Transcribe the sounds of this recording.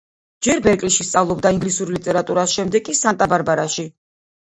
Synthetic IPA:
d͡ʒɛɾbɛɾkʼliʃist̪sʼavlˠɔbd̪aiŋɡlisuɾlit̪ʼɛɾat̪ʼuɾasʃɛmd̪ɛkʼisant̪ʼabaɾbaɾaʃi

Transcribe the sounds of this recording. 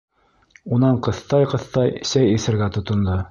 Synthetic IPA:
unɑɴqɤ̆θt̪ɑjqɤ̆θt̪ɑjsæjiθɘ̆ɾɡæt̪ŏt̪ŏnd̪o

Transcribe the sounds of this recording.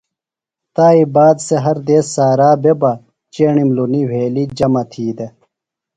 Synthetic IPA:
t̪aːibaːd̪seɦɐɾd̪eːsːaːɾaːbebɐ | t͡ɕeːɳimluniweːlid͡ʑɐmɐt̪ʰiːd̪e

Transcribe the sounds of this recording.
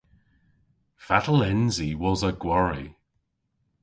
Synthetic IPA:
fatəlˠɛnziwɔzəɡwɔɹi

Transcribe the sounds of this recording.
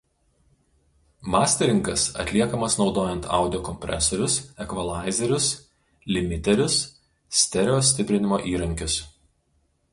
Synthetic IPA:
mɑːsʲt̪ʲɛɾʲɪŋkɐsɐ̰t̪ʲlʲiɛkɐmɐsnɒʊd̪oːjɛnt̪ʰɑ̰ˑʊd̪ʲɪjoːkɔmʲpʲɾʲʔɛ̰sɔɾʲʊsɛkʋɐlˠɑˑɪzʲɛɾʲʊs | lʲɪmʲɪt̪ʲɛɾʲʊs | sʲt̪ʲɛɾʲoːsʲt̪ʲɪpʲɾʲɪnʲɪmoːʔiːɾɐŋʲkʲɪs

